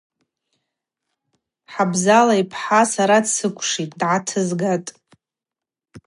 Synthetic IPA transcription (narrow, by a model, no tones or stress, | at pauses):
ħabzalaipʰħasaɾadsɨkʷʰʼʂitʼdʕatʰɨzɡatʼ